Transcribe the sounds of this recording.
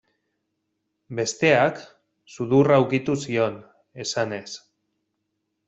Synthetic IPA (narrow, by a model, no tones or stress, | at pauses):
be̞st̪e̞ak | suðurawkit̪usio̞n | e̞sane̞s